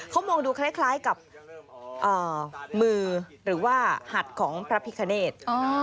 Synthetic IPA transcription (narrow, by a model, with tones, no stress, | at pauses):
kʰa˦˥wmɔː˧ŋduː˧kʰlaː˦˥˩jkʰlaː˦˥jka˨˩p̚ | ʔɤː˨˩mɯː˧ | ɾɯː˩˦waː˥˩ha˨˩t̪̚kʰɔː˩˦ŋpʰɾa˦˧˥pʰi˧˥kʰa˧neː˥˩t̪̚ʔɔː˧˦